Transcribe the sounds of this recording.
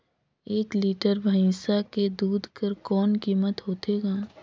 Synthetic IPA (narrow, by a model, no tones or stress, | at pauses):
eːkliːʈəɾbʱɐɪ̃ːsaked̪uːd̪ʱkəɾkɔːnkiːmət̪ɦoːt̪eːɡaː